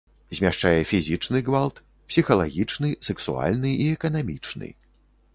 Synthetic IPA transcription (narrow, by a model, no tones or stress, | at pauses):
zʲmʲaʂt͡ʂajɛfʲizʲit͡ʂnɨɡvalˠt̪ | psʲixɐlˠaɣʲit͡ʂnɨsɛksṵa̰lʲnɨiɛkɐnamʲit͡ʂnɨ̰